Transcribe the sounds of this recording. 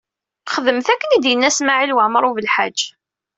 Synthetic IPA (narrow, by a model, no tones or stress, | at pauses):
χəðəmθækːənid̪jənːæsmaʕilwəʕməɾˤuvəlħad͡ʒː